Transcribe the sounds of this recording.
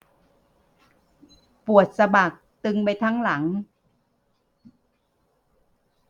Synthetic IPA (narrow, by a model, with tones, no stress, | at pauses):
pu˨˩ət̪̚sa˧baː˨˩k̚t̪ɯ˧ŋpa˧jt̪ʰaː˦˥˩ŋla˩˦ŋ